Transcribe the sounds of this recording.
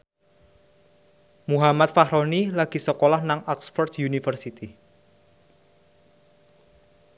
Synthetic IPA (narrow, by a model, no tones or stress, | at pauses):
muɦamat̪̚faɦɾonilaɡ̥i̤səkolahnaŋaksfɔrd̪junifərsit̪i